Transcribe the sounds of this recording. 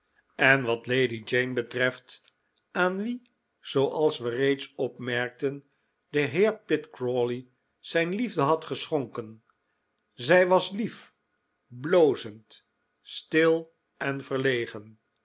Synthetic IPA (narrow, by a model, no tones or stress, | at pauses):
ɛnʋɑtlejdid͡ʒejnbətrɛft | aːnʋi | z̥owʔɑlˠsʋərejtsɔpmɛɹk̚tən | dəɦɪːɹpɪtkroli | z̥ɛjnlivdəɦɑtχəsχɔŋkən | zɛjʋɑslif | blowzənt | stɪlˠ | ɛnvəɹlejχən